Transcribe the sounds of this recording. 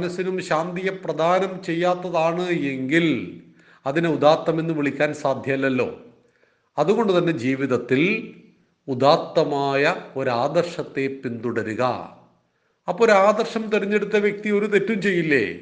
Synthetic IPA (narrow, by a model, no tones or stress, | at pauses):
nɐsinumɕaːnd̪ijɐprɐd̪ʱaːnɐmt͡ɕe̞jːaːt̪ːɐðaːɳɨeŋɡil | ɐðineud̪aːt̪ːɐme̞nːɨʋiɭikʲːaːnsaːd̪ʱjɐɐlːɐlːo̞̰ː | ɐðuɣo̞ɳɖut̪ɐnːe̞d͡ʑiːʋiðɐt̪ːil | ud̪aːt̪ːɐmaːjɐo̞ɾaːd̪ɐrʂɐt̪ːe̞pːind̪uɽɐɾuɣɐ̰ | ɐpːoːɾaːd̪ɐrʂɐmt̪iɾiɲːe̞ɽut̪ːɐʋjek̚t̪io̞ɾut̪e̞tːumt͡ɕe̞jːilːḛː